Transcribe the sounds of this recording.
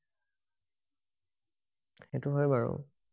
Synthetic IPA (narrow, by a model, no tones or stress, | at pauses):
xɛtʊɦɔjbaɹɔ̰